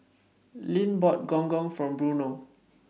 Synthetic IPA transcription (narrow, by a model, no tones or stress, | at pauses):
lĩnbɔt̚ɡɔ̃ŋɡɔ̃ŋfɹɔ̃mbɹuno